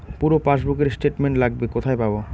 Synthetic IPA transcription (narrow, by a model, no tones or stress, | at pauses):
puɾopaʃbukeɾsʈeʈmeɳʈlaɡ̚bekot̪ʰaepabo